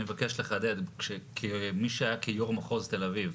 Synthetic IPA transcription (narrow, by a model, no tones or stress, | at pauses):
mevakeʃleχad̪ed̪ʃekʰemiʃeajakʰijoʁmaχozt̪e̞laviv